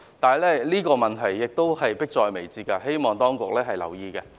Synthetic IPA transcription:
t̪aː˨lɛː˥liː˥kɔː˧mɐ˨nt̪ʰɐ˨˩jːɪ˨k̚t̪o˥whɐ˨jpɪ˥k̚t͡ʃɔː˧jme˨˩jt͡siː˨˧kɐ˧he˥jmɔː˨˩ŋt̪ɔː˥ŋkʊ˨k̚lɛː˥ɦɐ˨jlɐ̰˨˩wjiː˧kɛ˧

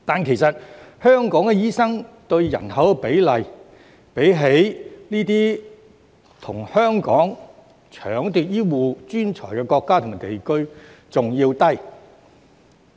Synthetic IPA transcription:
t̪aː˨nkʰe˨˩jsɐ˨t̚hœː˥ŋkɔː˨˥ŋkɛ˧jiː˥sɐ˥ŋt̪ɵ˧ɥjɐ̰˨˩nɦɐ˨˥wɛ˧pe˨˥jlɐ˨j | pe˨˥jɦe˨˥jniː˥t̪iː˥ | t̪ʰʊ˨˩ŋhœː˥ŋkɔ̰ː˨˥ŋ | t͡ʃʰœ̰ː˨˥ŋt̪iː˨t̚jiː˥wuː˨˩t͡ʃyː˥nt͡ʃʰɔ̰ː˨˩jkɛː˧kɔː˧kːaː˥tʰʊ˨ŋmaː˨˩t̪e˨jkɵ˥ɥt͡sʊ˨ŋjiː˧wt̪ɐ˥j

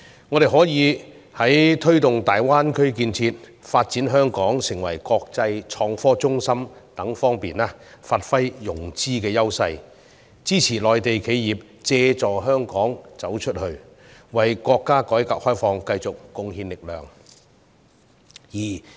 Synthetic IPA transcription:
ŋɔː˨˧ɾe˨jɦɔː˨˥jiː˨˧ | hɐ˨˥jt̪ʰɵ˥ɥt̪ʊ˨ŋt̪aː˨jwaː˥nkʰɵ˥ɥk̬iː˧nt͡sʰiː˧t̚ | faː˧t̚t͡si˨˥nɦœː˥ŋkɔː˨˥ŋsɪ˨˩ŋwɐ̰˨˩jkɔː˧k̚t͡sɐ˧jt͡ʃʰɔː˧ŋfɔː˥t͡sʊ˥ŋsɐ˥mt̪ɐ˨˥ŋfɔː˥ŋpiː˨˩naː˦˥faː˧t̚fɐ˥jjʊ˨˩ŋt͡siː˥kɛː˧jɐ˥wsɐ˧j | t͡siː˥t͡sʰiː˨˩lɔː˨jt̪e˨jkʰe˨˧jːiː˨p̚ | t͡sɛː˧t͡sɔː˨˩ɦœː˥ŋkɔː˨˥ŋt͡sɐ˨˥wt͡ʃʰɵ˥t̚hɵ˧ɥ | wɐ˨˩jkʷɔː˧kːaː˥kɔː˨˥jkaː˧˥k̚hɔː˥jfɔː˧ŋkɐ˧jt͡sʊ˨k̚ːʊ˧ŋhiː˧nlɪ˨k̚lœ̰ː˨ŋ | jiː˨˩

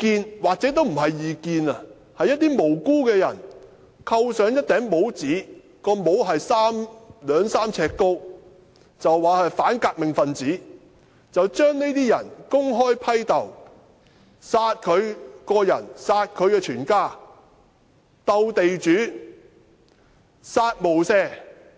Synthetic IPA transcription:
kiː˧nwaː˨k̚t͡sɛː˨˥t̪o˥wm̩˨˩ɦɐ˨jːiː˨˧kiː˧nɐ˧ | hɐ˨jɐ˥t̪̚iː˥mo˨˩wkuː˥kɛː˧jɐ̰˨˩n | kʰɐ˧wsœː˨˧ŋjɐ˥t̚t̪ɛː˨˥ŋmo˨˥wt͡siː˨˥ | kɔː˧mo˨˧˥wɦɐ˨jsaː˥mlœː˨˧ŋsaː˥mt͡sʰɛː˧kːo˥w | t͡sɐ˨wːaː˨˧hɐ˨jfaː˨˥nkaː˧k̚mɪ˨˩ŋfɐ˨nt͡siː˨˥ | t͡sɐ˨wt͡ʃœː˥ŋne˥jt̪iː˥jɐ̰˨˩nkʊ˥ŋɦɔː˥jpʰɐ˥jt̪ɐ˨˩w | saː˧t̚kʰɵ˨˧ɥkɔː˧jɐ̰˨˩nsaː˧t̚kʰɵ˨˧ɥkɛː˧t͡ʃʰyː˨˩nkaː˥˩ | t̪ɐ˧wt̪e˨jt͡ʃyː˨˥ | saː˧t̚mo˨˩wsɛː˥

